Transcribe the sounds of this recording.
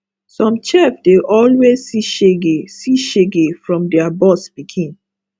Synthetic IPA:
sɔ̃mt͡ʃɛfdeʔɔlwezsiʃeɡesiʃeɡefɹɔ̃mdɛabɔsb̥ikʰĩn

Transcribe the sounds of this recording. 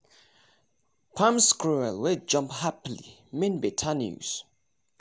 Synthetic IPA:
pʰãmskɹuɛlwɪd͡ʒʌ̃mphaplḭmɪ̃nbɪtʰanjṵz̥

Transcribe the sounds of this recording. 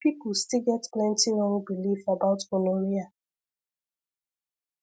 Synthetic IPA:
pipustiɡɛtplɛ̃ntiɾɔ̃ŋbilifabaʊtkɔloɾia

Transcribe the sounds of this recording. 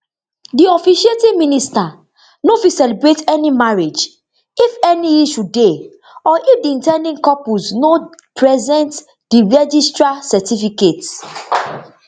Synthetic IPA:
diɔfiʃietimĩnista | nofisɛlibɹetɛnimaɹed͡ʒ | ifɛniiʃude | ɔʔifdiĩntɛ̃ndĩŋkɔpusnopɹɛzɛ̃nt | diɹɛd͡ʒistɹasɛtifikets

